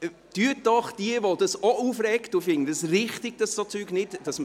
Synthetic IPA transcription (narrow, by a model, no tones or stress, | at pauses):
d̥yətːɔχd̥iəʋod̥ɑsɔʔuːfɾɛktufɪŋədəsrɪχtɪɡ̥̚d̥ɑsd̥ɔt͡syːɡ̥nɪtdɑsm